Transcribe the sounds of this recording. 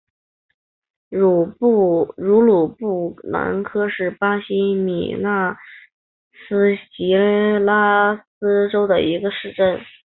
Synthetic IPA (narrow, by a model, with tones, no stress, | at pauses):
ɻ | ɻu˧˥lu˨˩pu˥˩na̰˧˥nkʰɤ˥ʂɻ̩˥˩pa˥ɕi˥mḭ˨˩na˥˩ | sɹ̩˥ɕi˧˥la˥sɹ̩˥ʈ͡ʂo˥ʊd̪ə̰˨i˧˥ɡə˧ʂɻ̩˥˧ʈ͡ʂə˥˩n